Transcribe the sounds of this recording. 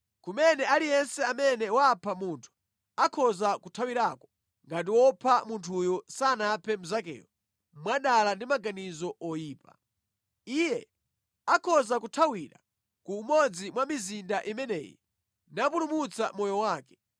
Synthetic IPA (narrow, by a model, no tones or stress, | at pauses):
kumɛnɛalijɛnsɛamɛnɛwapʰamuntʰu̥ | akʰɔzakutʰawiɾakɔ̥ | ŋɡat̬iwɔpʰamuntʰujɔsaːnapʰɛm̩zakɛ̰ːjɔ | mwaɗalandimaɡanizɔɔjiːpa̰ | ijɛ | akʰɔzakutʰawiɾa̰ | kuːmɔd͡zimwamizindaʔimɛnɛ̰ːjḭ | napulumut͡sa̰mɔjɔwaːkɛ̥